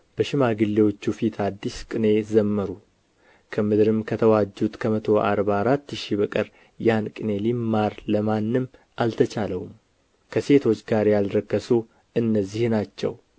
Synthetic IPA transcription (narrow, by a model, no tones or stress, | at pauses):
b̥əʃɪmaɡɨlːe̞wo̞t͡ʃːufit̪ʰad̪ːiskʼɨne̞zəmːəɾu | kʰəmɨd̪ɨɾɨmkʰət̪ʰəwad͡ʒːut̪kʰəmət̪ʰo̞ʔa̰ɾbaɾat̪ːʃibəkʼəɾ | jankʼɨne̞limːaɾləmanːɨm | ʔalt̪ʰət͡ʃaləwum | kʰəse̞t̪ʰo̞t͡ʃːɡaɾjalɾəkːəsu | ɨnːəzːihnat͡ʃːɛ̰w